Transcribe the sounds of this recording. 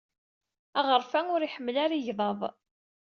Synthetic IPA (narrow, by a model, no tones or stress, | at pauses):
æʁəɾˤfæŋʊɾiħəmːlaɾiʝðˤɑðˤ